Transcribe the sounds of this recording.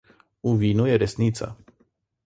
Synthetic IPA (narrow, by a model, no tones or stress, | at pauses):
uvinujeɾesnit̪sa̰